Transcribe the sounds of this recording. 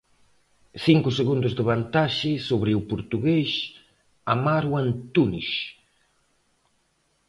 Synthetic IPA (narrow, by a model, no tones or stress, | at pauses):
siŋkʊseɣund̪ʊzd̪eβant̪aʃɪsoβɾɪupoɾt̪uɣeʃ | amaɾwant̪uniʃ